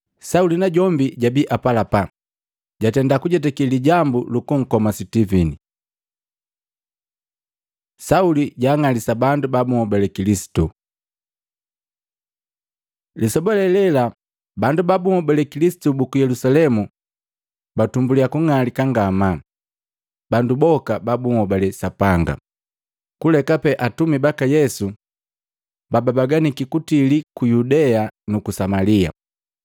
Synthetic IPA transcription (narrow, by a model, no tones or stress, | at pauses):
saulinaɟɔmbiɟabiʔapalapa | ɟatɛndakuɟɛt̬ɛkiliɟambulukuŋ̩kɔmasitivini | sauliɟaːŋalisabandubabuŋɔbɛlɛkilisi̥tu | lisɔbɔlɛlɛla | bandubabuŋɔbɛlɛkilisi̥tubukujɛlusalɛmu | batumbuliakuŋalikaŋɡama | bandubɔkababuŋɔbalɛsapaŋɡa̰ | kulɛkapɛʔatumibakajɛsu | bababaɡanikikutilikujudɛanukusamalia̰